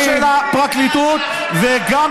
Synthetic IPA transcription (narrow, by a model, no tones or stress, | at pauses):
ʃelapʁaklit̪ut̪ | veɡam